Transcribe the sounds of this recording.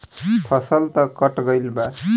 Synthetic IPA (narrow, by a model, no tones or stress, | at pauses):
pʰʌsəlt̪ʌkəʈɡəjlba